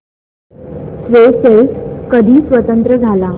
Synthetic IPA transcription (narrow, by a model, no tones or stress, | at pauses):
sʋeseskəd̪ʱiːsʋət̪ənt̪ɾəd͡zʱala